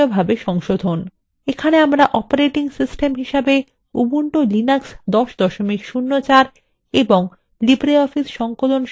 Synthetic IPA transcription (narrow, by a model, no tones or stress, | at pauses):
obʱabeʃɔŋʃod̪ʱon | ekʰaneamɾaʔɔpaɾeʈiŋsisʈemɦiʃabe | ubuɳʈolinaksd̪ɔʃd̪ɔʃomikʃunːot͡ɕaɾ | eboŋ | libɾeɔfisʃɔŋkolonʃ